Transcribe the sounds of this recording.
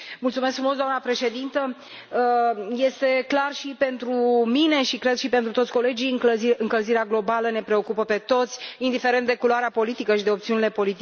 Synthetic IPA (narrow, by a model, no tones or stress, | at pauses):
mult̪sume̞skfɾumos̬d̪oamnəpɾe̞ʃe̞d̪int̪ə | je̞st̪e̞klarʃipe̞nt̪ɾumine̞ʃikɾed̪ʃipe̞nt̪ɾut̪ot̪sʲko̞le̞d͡ʒiɨɨŋkəlziɾeaɡlo̞baləne̞pɾe̞o̞kupəpe̞t̪o̞t̪sʲind̪ife̞ɾent̪d̪e̞kuloaɾeapo̞lit̪ikəʃid̪e̞opt̪siunile̞po̞lit̪i